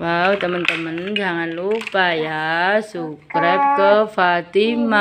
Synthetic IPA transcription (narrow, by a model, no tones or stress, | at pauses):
wawt̪əmənt̪əmənd͡ʒaŋanlupajasukɾət̚kəfat̪ima